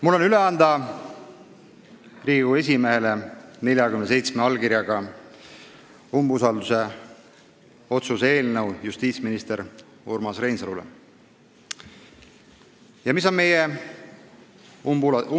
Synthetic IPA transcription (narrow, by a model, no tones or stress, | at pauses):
mulːo̞nyle̞ɑnd̪ɑ | riːɡue̞s̬ʲimeɦelene̞ljɑkymnese̞jt̪smeɑlkiɾjɑɡ̥ɑ | umbusɑld̪use̞ | o̞t̪suse̞ːlnəwjust̪iːt̪sminist̪eɾ | ṵrmɑsre̞jnsɑlulḛ | jɑmis̬o̞nme̞je